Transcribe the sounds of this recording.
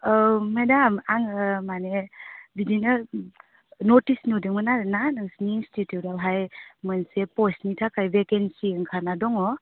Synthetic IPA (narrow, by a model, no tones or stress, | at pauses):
medamaŋmanebidina | notisnudiŋmɯnananɯŋsniinstitjutalɦajmənsepɔstmitʰakajbekensiŋkʰanadɔŋɔ